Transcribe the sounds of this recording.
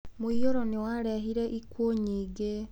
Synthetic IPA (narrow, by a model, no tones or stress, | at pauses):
moioɾɔnewaɾɛɦiɾɛʔikuoɲiːɡe